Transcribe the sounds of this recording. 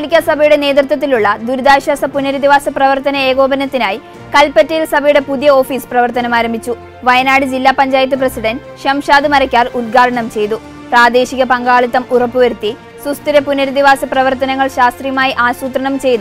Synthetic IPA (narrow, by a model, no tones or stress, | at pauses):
ɐlikʲːasɐbʱɐjuɽe̞ne̞ːd̪rɨt̪̬wɐt̪̬ːiluɭːɐd̪uɾud̪aːɕasɐpunːɐɾid̪iʋaːsɐprɐʋɐrt̪ɐnɐe̞ːɣo̞ːbɐnɐt̪ːinaːji | kɐlpɐtːɐjilsɐbʱɐjuɽe̞pudijɐo̞ːfiːsprɐʋɐrt̪ɐnɐmaːɾɐmbʱit͡ɕːu | ʋɐjɐnaːɽɨd͡ʑilːaːpɐɲd͡ʑaːjɐt̪ːɨprɐsiɽɐn | ɕɐmʂaːd̪ɨmɐɾɐkʲːaːrud̪ɡaːɽɐɳɐmt͡ɕe̞jt̪u | praːd̪e̞ːɕiɣɐpɐŋɡaːɭit̪ːɐmurɐpːɨʋɐɾut̪ːi | sust̪iɾɐpunːɐɾid̪iʋaːsɐprɐʋɐrt̪ɐnɐŋːɐɭɕaːst̪rijɐmaːjiʔaːsuːt̪rɐɳɐmt͡ɕe̞jt̪u